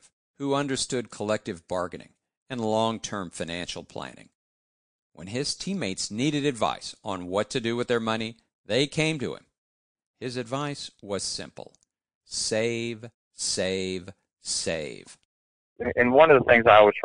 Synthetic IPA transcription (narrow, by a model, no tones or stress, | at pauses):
huʌ̃ndə˞stʊd̚kʰəlɛk̚tɨvbɑɹɡɨnɪ̰̃ŋ | ɨ̃nlɔ̃ŋtʰɜ̃˞ɱfaɪ̃næ̃nʃl̩ˠpʰl̥æ̰nɪ̰̃ŋ | wə̰̃nɪz̥tʰĩmeɪtsniɾɨɾɨdva̰ɪsn̩wʌtʰɨdɨwɨðə˞mʌñi | ðeɪkʰẽɪ̃mtɨ̰ɪ̰̃m | hɪzɨdvaɪswʌz̥sɪ̰̃mpl̩ˠ | seɪv̥ | seɪv̥ | sḛɪv̥ | ɨɨ̃nwʌ̃nʌvðəθɪ̃ŋzaɪwʌz̥ʰ